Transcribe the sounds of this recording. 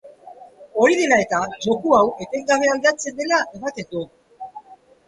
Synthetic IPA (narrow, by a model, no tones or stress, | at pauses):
o̞ɾiðe̞lae̞t̪aʝo̞kuawʔe̞t̪e̞ŋɡaβ̞e̞ald̪at͡se̞nd̪e̞laʔeβakek̪u